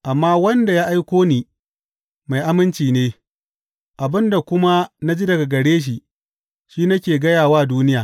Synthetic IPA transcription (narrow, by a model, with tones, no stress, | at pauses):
ʔa˨mːaː˦wɐ˦nda˨jaː˦ʔa˦jkʷoː˦niː˦ | ma˨jʔa˦mɪ˦nt͡ʃiː˨neː˦ | ʔa˨bɪ˦nda˨kʷʊ˦ma˦na˦d͡ʒi˦dɐ˨ɡa˨ɡɐ˨ɽeː˦ʃ̬i˨ | ʃiː˦nɐ˦kʲeː˨ɡɐ˦jaː˨waː˦duː˦nɪ˦jaː˨